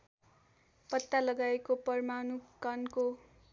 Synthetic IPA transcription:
pʌt̪ːalʌɡaekopʌrmanukʌnko

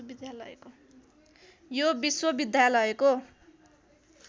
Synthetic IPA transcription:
bid̪jalʌeko | jobiswʌbid̪jalʌeko

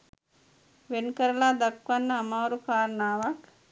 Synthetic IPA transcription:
ʋenkəɾəlaːd̪akʋanːəːmaːɾukaːɾənaːʋak

